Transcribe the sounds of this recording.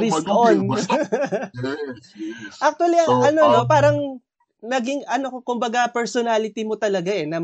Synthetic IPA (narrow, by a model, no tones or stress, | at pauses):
ɾist̪on | ʔak̚t̪wɐliɐɐnono̞p̬aːɾɐŋ | nɐɡɪŋʔɐno̞kokʊmbɐɡapɛɹsonalɪt̪imot̪ɐlɐɡaʔɛnɐm